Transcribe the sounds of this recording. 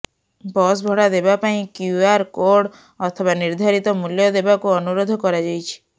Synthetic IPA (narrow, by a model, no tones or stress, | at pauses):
bɔs̬bʱɔɽad̪ebapaĩkjuaɾkoɾɽ | ɔt̪ʰɔβaniɾd̪ʱaɾit̪ɔmuljɔd̪ebakuɔnuɾod̪ʱɔkɔɾad͡ʒajt͡ʃʰi̥